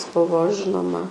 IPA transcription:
ˈbʊʋoː ˈʒʲɪnoːmɐ

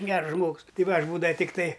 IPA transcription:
ˈɡʲɛrs ˈʒmoːks ˈtɐɪ ˈʋɐ ˈɐʃ ˈbuːdɐʋɐ ˈtʲɪktɐɪ

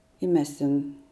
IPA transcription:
ɪ ˈmʲɛs tʲɛn

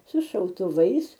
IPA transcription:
sʊ ʃɐʊtʊˈʋɐɪs

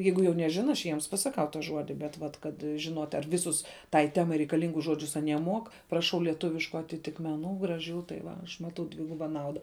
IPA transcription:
ˈjɛɪɡʊ jɛʊ nʲɛˈʒʲɪnɐ ɐʃ ˈjiɛms pɐsɐˈkɐʊ tɐ ˈʒuɔdʲɪ bʲɛt ˈʋɐt kɐt ʒʲɪˈnuɔtʲ ɐr ˈʋʲɪˌsʊs tɐɪ ˈtʲæːmɐɪ rʲɛɪkɐˈlʲɪŋɡʊs ˈʒuɔd͡ʒʲʊs ɐˈnʲiɛ moːk prɐˈʃɐʊ lʲiɛˈtʊʋʲɪʃkʊ ɐtʲɪtʲɪkmʲɛˈnuː ɡrɐˈʒʲuː tɐɪ ʋɐ ˈɐʃ ˈmɑːtɐʊ ˈdʲʋʲɪɡʊbɐ ˈnɐʊdɐ

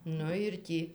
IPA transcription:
ˈnʊ ɪr ˈtʲiː

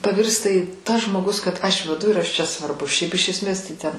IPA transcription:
pɐˈʋʲɪrstɐ ɪ tɐs ʒmoːˈɡʊs kɐt ɐʃ ʋʲɛˈdʊ ɪr ˈɐʃ ˈt͡ʃʲɛ sʋɐrˈbʊs ʃʲɛɪp ɪʃ ɛsʲˈmʲeːs tɐɪ ˈtʲɛn

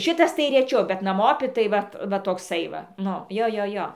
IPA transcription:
ˈʃʲɪtɐs tɐɪ rʲɛˈt͡ʃʲɛʊ bʲɛt nɐˈmoːpʲɪ tɐɪ ˈʋɐt ˈʋɐ toːkˈsɐɪ ʋɐ ˈnʊ ˈjoː ˈjoː ˈjoː

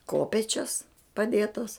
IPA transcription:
ˈkoːpʲeːt͡ʃʲɛs pɐˈdʲeːtɐs

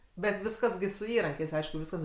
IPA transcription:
bʲɛt ˈʋʲɪskɐs ɡʲɪ sʊ ˈiːrɐŋʲkʲɛɪs ˈɐɪʃkʊ ˈʋʲɪskɐs

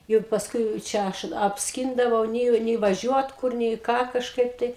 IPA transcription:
ˈjʊk pɐsˈkʊɪ t͡ʃʲɛ ˈɐʃ ɐpʲsʲˈkʲɪndɐʋɐʊ ˈnʲeːjoː nʲɛɪ ʋɐˈʒʲuɔt ˈkʊr nʲɛɪ ˈkɑː kɐʃˈkɐɪp tɐɪ

